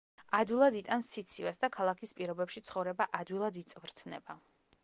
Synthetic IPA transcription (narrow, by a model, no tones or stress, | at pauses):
ad̪wilˠad̪it̪ʼansit̪sʰivasd̪akʰalˠakʰispʼiɾɔbɛpʃit̪sʰχɔvɾɛbaʔad̪wilˠad̪it̪sʼvɾt̪ʰnɛ̰ba